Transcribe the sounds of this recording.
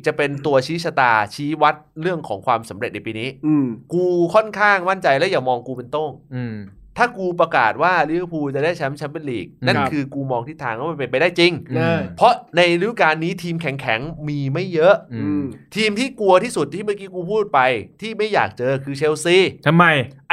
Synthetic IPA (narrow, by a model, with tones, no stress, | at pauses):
t͡ɕa˨˩pe˧nt̪u˧ɐt͡ɕʰiː˦˥sʰa˧t̪aː˧t͡ɕʰiː˦˥wa˦˥t̪̚ɾɯ˥˩əŋkʰɔː˩˦ŋkʰwaː˧msa˩˦mɾe˨˩t̪̚na˧jpiː˧niː˦˥˧kuː˧kʰɔ˥˩nkʰaː˥˩ŋma˥˩nt͡ɕa˧jlɛː˦˥jaː˨˩mɔː˧ŋkuː˧pe˧nt̪o˥˩ŋ | t̪ʰaː˥˩kuː˧pɾa˧ka̰ː˨˩t̪̚waː˥˩liː˦˥a˥˩pʰuː˧t͡ɕa˨˩daː˥˩jt͡ɕʰa˦˥mt͡ɕʰa˦˥npe˧nliː˨˩k̚na˥˨n˧kʰɯː˧kuː˧mɔː˧ŋt̪ʰi˥˩t̪ʰːaː˧ŋkɔ˦˥ma˧˥˩pe˧npa˧jdaː˥˩jt͡ɕi˧ŋ˧pʰɔ˦˥ʔna˧jɾi˦˥kaː˧nːiː˦˥t̪ʰiː˧mkʰɛ˨˩˦ŋkʰɛ˩˦ŋmiː˧ma˥˩jːɤ˦˥ʔt̪ʰiː˧mt̪ʰiː˥˩ku˧ɐt̪ʰiː˥˩su˨˩t̪̚ʰːiː˥˩ma˦˥˩kiː˦˥kuː˧pʰuː˥˩t̪̚pa˧jt̪ʰiː˥˩ma˥˩ja̰ː˨˩k̚t͡ɕɤː˧kʰɯː˧t͡ɕʰe˧wsiː˧˥˩t̪ʰa˧mːa˧j